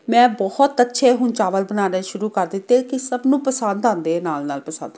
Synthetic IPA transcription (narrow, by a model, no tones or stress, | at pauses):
mɛ̃ːbɔhɔt̪ətːʃʰeːɦʊnt͡ʃaːʋəlbənaːɾẽːʃʊɾuːkəɾd̪ɪt̪ːeːkɪsəbnũːpəsə̃nd̪ãːnd̪eːnaːlnaːlpəsə̰̃nd̪